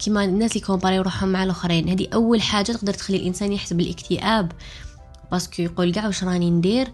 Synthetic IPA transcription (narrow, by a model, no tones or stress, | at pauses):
kʰəmænːæslikombɑɾijwɾˤuħhʊmːaʕalʔʊxɾinhæd̪iʔæwːəlħaʒːat̪əq̚d̪əɾˤt̪xælːilʔənsænjəħsəbəlʔəkt̪ʰəʔæb | bɑskjqulɡaʕwəʃɾˤɑnind̪iɾ